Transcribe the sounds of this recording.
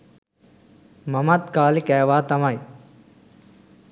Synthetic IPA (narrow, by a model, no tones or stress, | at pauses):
mɐmɐt̪kaːlikɛːʋaːt̪ɐmɐj